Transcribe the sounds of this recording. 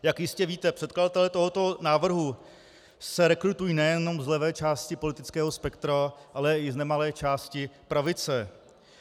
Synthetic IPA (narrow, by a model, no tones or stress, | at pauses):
jakjɪscɛviːt̪ɛpr̝̥ɛt̪kladat̪ɛlɛt̪o̞ɦo̞t̪o̞naːvr̩ɦu | sɛɾɛkɾut̪ujiːnɛjɛno̞mzlɛvɛːt͡ʃaːscɪpo̞lɪt̪ɪt͡skɛːɦo̞spɛkt̪ɾaʔalɛɪznɛmalɛːt͡ʃaːscɪpɾavɪt͡sɛ